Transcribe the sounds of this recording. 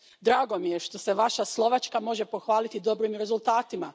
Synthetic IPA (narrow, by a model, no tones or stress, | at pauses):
d̪ɾaːɡo̞mije̞ʃt̪o̞se̞ʋaʃaslˠo̞ʋat͡ʃkamo̞ʒepo̞xʋaːlit̪id̪o̞bɾimɾe̞zulˠt̪aːt̪ima